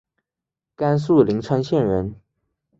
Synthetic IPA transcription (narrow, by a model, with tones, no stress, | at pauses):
ka˥nsu˥˩li˧˥ŋʈ͡ʂʰwa˥nɕjɛ˥˩nɻə˧˥n